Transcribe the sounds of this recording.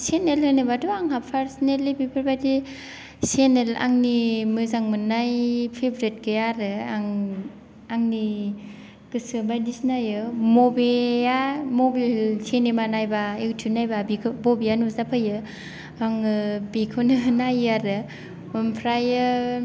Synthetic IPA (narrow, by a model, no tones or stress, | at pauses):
senelɯnɯbaduaŋɦapʰaɾsnelibipʰɯɾbajdi | senela̰ŋnimɯzaŋmɯnajpʰebɾet̚ɡɯjaɾɯaŋ | aŋni | kɯsɯbajdisnajɯmobeamobilsʰenemanajbaektʰunajbabikʰɯbobijanuzapʰɯjɯ | aŋɯbikʰɯwnɯnajaɾɯ | mɯmpʰɾajɯ